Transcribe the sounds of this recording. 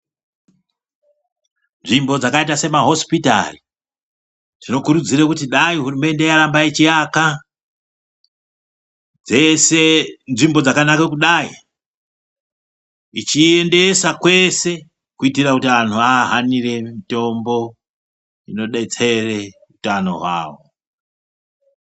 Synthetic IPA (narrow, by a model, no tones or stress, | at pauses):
nʐimbo̞d͡zakait̬ase̞maɦo̞spita̰ri | tino̞kuɾud͡zirekutiɗaiɦurume̞nde̞jaɾambaet͡ʃiaka | d͡zesenʐimbo̞d͡zakanakekuɗai | it͡ʃie̞nde̞sakwe̞se̞ | kuitirakutian̤uaɦanire̞mito̞mbo̞ | ino̞ɗe̞t͡se̞re | utano̞̰ɦwa̰ːʋo̞̰